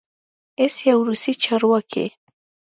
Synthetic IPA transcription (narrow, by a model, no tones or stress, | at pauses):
esjawɾʊsɪt͡ʃaɾwakḛ